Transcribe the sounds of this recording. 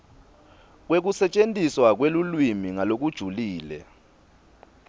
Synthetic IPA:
k̬wek̬usɛt͡ʃʼentʼiswak̬welulwimiŋalok̬ud̥ʒ̥ʱuliːlɛ̰

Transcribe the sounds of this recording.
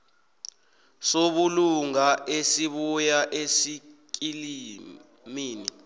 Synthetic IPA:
soɓuluŋaʔesiɓujaʔesikili | miːni

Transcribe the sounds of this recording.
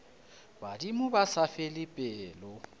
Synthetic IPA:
badimʊbasafelipʼɛlʊ

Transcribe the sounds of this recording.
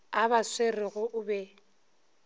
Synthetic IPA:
abaswerɪɣʊʔʊbɛ

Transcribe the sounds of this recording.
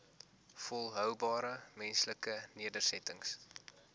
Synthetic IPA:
fɔlˠɦœwbɑːɾəmɛnsləkəniədərsɛtəŋs

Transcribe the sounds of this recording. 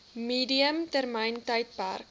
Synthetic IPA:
miːdiəmtərməjntəjt̚pæ̰rk

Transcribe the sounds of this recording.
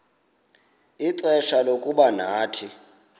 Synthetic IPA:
iǀɛʃalokʼuɓanaːtʰi

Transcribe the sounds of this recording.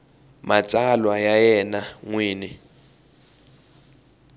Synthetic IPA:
mat͡sʼalwajajɛnaŋwiːni

